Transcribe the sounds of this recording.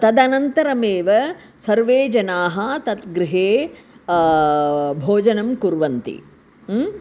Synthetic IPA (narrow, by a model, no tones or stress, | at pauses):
t̪ɐd̪ɐnɐnt̪ɐɾɐmeːʋɐ | sɐɾʋeːd͡ʒɐnaːɦɐt̪ɐt̪ɡɾɪɦeː | bʱoːd͡ʒɐnɐmkuɾʋɐnt̪ḭ